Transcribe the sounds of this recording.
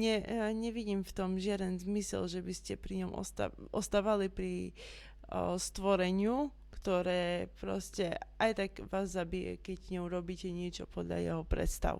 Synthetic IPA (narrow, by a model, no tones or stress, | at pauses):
ɲɛɲɛʋiɟiːmft̪ɔmʒɪad̪ɛnzmisɛ̰lʒɛbiscɛpɾiɲɔmʔɔ̰st̪a̰ɔst̪aːʋalipɾi | st̪ʋɔɾɛɲɪu | kt̪ɔɾɛːpɾɔscɛajt̪aɡʋaːzːabijɛ̰kɛɟɲɛuɾɔbiːcɛɲɪɛt͡ʃɔ̰pɔd̪ʎa̰jɛ̰ɦɔpɾɛ̰t̪st̪a̰ʋ